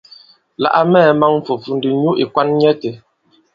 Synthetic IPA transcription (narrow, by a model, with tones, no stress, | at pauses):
la̰˨ʔa˦mɛː˦˨ma˦ŋ˦fo˨fu˨n˦di˨ɲu˦ʔi˨kwa˦nɲɛ˦te˨